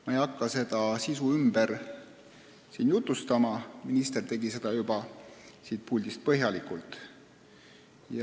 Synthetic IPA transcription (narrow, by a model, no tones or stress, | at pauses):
mɑejɑkːɑse̞d̪̥ɑsisuymbeɾ | siːnjut̪ːˑust̪ɑmɑminist̪e̞rt̪e̞ɡise̞d̪ɑjubɑsiːt̪̚pulʲd̪̥ist̪̚pɤɦjɑlikˑult̪ˑ | jɑ